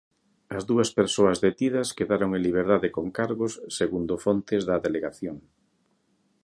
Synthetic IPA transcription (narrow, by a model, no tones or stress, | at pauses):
ɐzðuɐspeɾsoɐzðet̪ið̞ɐskeðaɾoŋeliβ̞eɾðaðekoŋkaɾɣʊsːeɣund̪ofont̪ɪzðɐðeleɣaθjoŋ